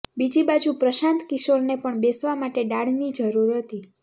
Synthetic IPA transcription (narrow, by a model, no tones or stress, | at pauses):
bid͡ʒibad͡ʒupɾəʃãnt̪kɪʃəɾnepəɳbesʋamaʈeɖaɽ̤nid͡ʒəɾuɾɦət̪i